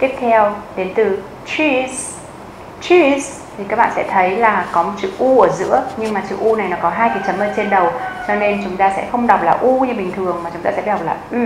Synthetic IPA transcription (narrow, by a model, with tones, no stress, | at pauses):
t̪i˦˥p̚t̪ʰɛ˧wɗe˨˦nt̪ɨ˨˩ | t͡ɕi˧ | t͡ɕi˧˦˥s | t̪ʰi˨˩kaː˦˥k̚ɓa̰ː˧˨sɛ̰˧˥t̪ʰə˨˦jlaː˨˩kɔ˨˦mo˨˩t̚sɨ̰˧˨ʔu˧ʔəː˧˩zɨ̰˧˥əɲɨ˧ŋmaː˨˩sɨ̰˧˨ʔu˧na˨˩jnɔ˨˦kɔ˨˦ɦaː˧jki˨˩t͡ɕə˨˦mʔə˧˩t͡ɕe˧nɗə˨˩wt͡ɕɔ˧ne˧nt͡ɕʊ˨˦ŋ͡mt̪aː˧sɛ̰˧˥xə˧wŋ͡mɗa˨˩wk͡p̚laː˨˩ʔu˧ɲɨ˧ɓï˨˩ŋ̟t̪ʰɨ˨˩əŋmaː˨˩t͡ɕʊ˨˦ŋ͡mt̪aː˧sɛ̰˧˥ɓh̚laː˨˩ʔy˧